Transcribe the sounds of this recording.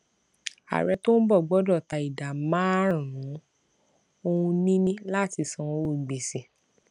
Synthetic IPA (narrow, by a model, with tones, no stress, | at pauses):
a̰˨ɾɛ˧to˦n̩˦bɔ˦˨ɡ͡bɔ˦dɔ˦˨ta˨i˨da˨mãː˨˦˨ɾ̃ũ˨˦ | o˧hũ˧nĩ˦nĩ˦la˦˨ti˨˧sɔ̃˧o˦˨ɡ͡be˨si˨˦